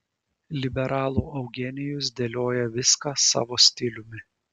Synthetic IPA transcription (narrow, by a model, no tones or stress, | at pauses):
lʲɪbʲɛɾʔɑːlˠuːɐʊɡʲɛnʲɪjʊs̬d̪ʲelʲoːjɛʋʲɪskɑsɑ̰ːʋoːsʲt̪ʲɪlʲʊmʲɪ